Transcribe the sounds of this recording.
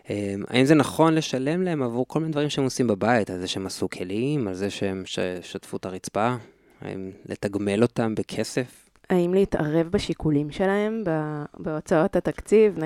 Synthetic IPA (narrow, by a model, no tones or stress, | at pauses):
ema̰imzenaχo̞nle̞ʃale̞mlaemavuʁkolminedvaʁimʃeemosimbabaitalzeʃeemasukʰelimalzeʃeemʃʃatfut̪aʁit͡spa | a̰ḭmlʔe̞t̪aɡme̞lo̞tambekʰe̞se̞f | aimleita̰ʁe̞vbaʃikulimʃe̞lahe̞mbabeo̞t͡sao̞that̪akt͡sivn